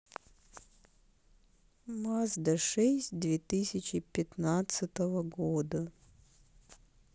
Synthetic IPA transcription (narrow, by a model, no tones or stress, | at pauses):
masd̪ɐʂɛsʲt̚ʲd̪vʲet̪ɨsʲɪt͡ɕɪpʲɪt̪nat̪sɨt̪əvəɡod̪ə